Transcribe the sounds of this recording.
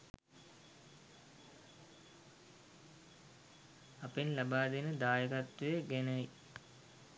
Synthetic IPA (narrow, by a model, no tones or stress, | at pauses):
ɐpenlɐbaːd̪inəd̪aːjɐkɐt̪ːeɡenɐj